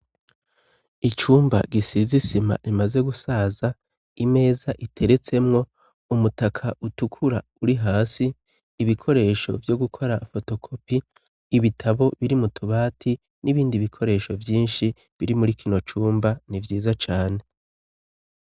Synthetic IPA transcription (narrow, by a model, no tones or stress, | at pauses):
it͡ʃuːmba̰ɡisizisima̰ɾimaze̞ɡusaːza | ime̞ːzaʔitʰe̞ɾe̞t͡se̞mŋo̞ | umutakʰaʔutukʰuɾauɾiɦaːsiː | βikʰo̞ɾe̞ːʃo̞̰vjo̞ɡukʰo̞ɾafo̞to̞kʰo̞piː | βitʰaβo̞βiɾimutʰuβaːtʰi | niβiːndiβikʰo̞ɾe̞ːʃo̞vjiːnʃi | βiɾimuɾikʰino̞t͡ʃuːmbanivjiːzat͡ʃaːne̞